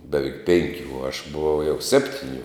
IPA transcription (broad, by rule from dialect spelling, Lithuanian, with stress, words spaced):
bʲɛˈʋʲɛɪk ˈpʲɛŋʲkʲʊ ʊ ɐʃ bʊˈʋɐʊ jɛʊ ˈsʲæːpʲtʲɪˌnʲʊ